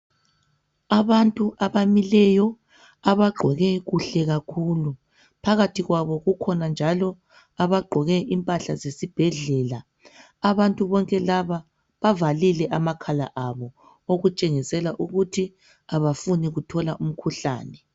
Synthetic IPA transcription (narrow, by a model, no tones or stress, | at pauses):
aβantʼuʔaβamilɛjɔ | aβaɡ͡ǃʱɔɣɛɣuɬɛɣakʰuːlu | pʰaɣatʰiɣwaβɔɣukʰɔnand͡ʒʱalɔ | aβaɡ͡ǃʱɔɣɛʔimpʼaɬazesib̥ʱɛɮɛːlaː | βantʼuβɔŋkʼɛlaβa | βavalilɛʔamakʰala̰ʔaβɔ | oɣut͡ʃʼeŋisɛlaʔuɣutʰi | aβafuniɣutʰɔlaʔum̩kʰuɬa̰ːnɛ